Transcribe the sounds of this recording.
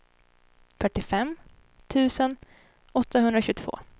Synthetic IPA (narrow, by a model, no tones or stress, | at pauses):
fœʈːɪfɛmː | t̪ʰʉ̟ːsən | ɔt̪ʰːaɦɵnd̪ɾaɕɵt̪ʰv̥o̰ː